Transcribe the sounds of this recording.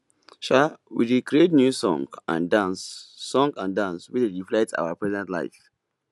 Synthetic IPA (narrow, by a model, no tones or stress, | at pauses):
ʃawḭɹikɹietnjusɔ̰̃ŋɡã̰ndãnsːɔ̃ŋɡãndãnswit͡ʃɹiflɛta̰ʊapɹɛzɛ̃ntla̰ɪf